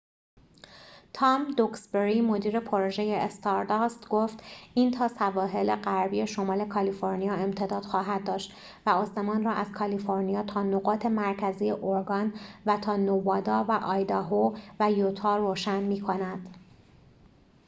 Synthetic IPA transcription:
t̪ʰɒːmd̪oksbeɾimo̞d̪iːɾe̞pʰoɾoʒe̞jeːst̪ʰɒɾd̪ɒst̪ɡoft̪ʔiːnt̪ʰɒːsævɒːɦe̞leɢæɾbiːje̞ʃo̞mɒːle̞kʰɒlifo̞ɾnijɒːe̞mt̪ʰe̞d̪ɒːd̪̥xɒːɦæd̪̚d̪ɒːʃt̪ | væost̪e̞mɒːnrɒːʔæzkʰɒlifo̞ɾnijɒːt̪ʰɒːnoɣɒːt̪ʰe̞mæɾcʰæziːjeʔoɾɡɒːnvæt̪ʰɒːnovɒːd̪ɒːvæʔɒːjd̪ɒɦovæjot̪ʰɒːroːʃænmiːkʰo̞næd̪̥

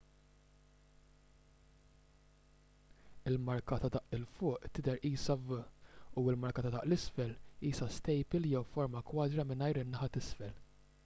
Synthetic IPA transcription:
ɪlmɐɾkɐt̪ɐd̪ɐʔɪlfʊːʔt̪ɪd̪ɛɾiːsɐvɐuɪlmɐɾkɐt̪ɐd̪ɐʔlɪsfɛliːsɐst̪ɛjpɪljɛwfɔɾmɐkwɐːd̪ɾɐmɪnɐjɾɪnːɐħɐt̪ɪsfɛl

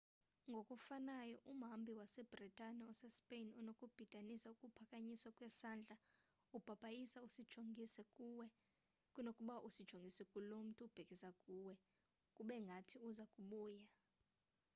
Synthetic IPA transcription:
ŋɡʱokʼufanajɔʔumɦambʱiwasɛb̥ritʼaniɔsɛspʼejnunokʼub̥ʱid̥ʱanisaukʼupʰakʼaɲiswakʼwɛsaːnd͡ɮʱa | ub̥ʱab̥ʱajisausid̥ʒ̥ʱoŋisɛkʼuwɛ | kʼunokʼuɓaʔusid̥ʒ̥ʱoŋɡʱisɛkʼulom̩tʼuub̥ʱekʼisakʼuːwɛ | kʼuɓɛŋɡʱatʰiuzakʼuɓuːja

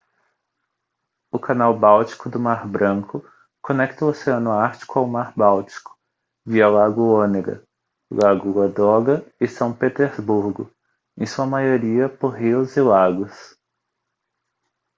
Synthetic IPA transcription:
ʊkʰanawbawt͡ʃi̥kʊd̪ʊmaɾbɾɐ̃kʰʊ | konɛkt̪ɐuoseɐ̃nʊaɾt͡ʃi̥kʊawmaɾbawt͡ʃi̥kʊ̥ | viɐlaɡʊoneɡɐ̰ | laɡʊɡɐd̪ɔɡɐɪsɐ̃w̃pet̪eɾzbuɾɡʊ̰ | ẽsuɐmajoɾiɐpoɾɦiʊzɪlaɡʊs

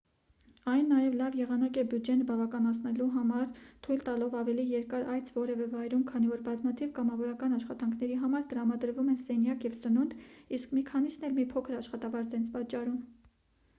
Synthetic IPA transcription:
ɑjnːɑjɛvlɑvjɛʁɑnɑkɛbjud͡ʒɛnbɑvɑkɑnɑt͡sʰnɛluɦɑmɑɾt̪ʰujlt̪ɑlɔvɑvɛlijɛɾkɑɾɑjt͡sʰvɔɾɛvɛvɑjɾumkʰɑn̪ivɔɾbɑzmɑt̪ʰivkɑmɑvɔɾɑkɑnɑʃχɑt̪ɑŋkʰnɛɾiɦɑmɑɾt̪əɾɑmɑd̪əɾvumɛnsɛnjɑkjɛvsənund̪iskmikʰɑnisnɛlmipʰɔkʰəɾɑʃχɑt̪ɑvɑɾt͡sɛnt͡sʰpɑt͡ʃːɑɾum

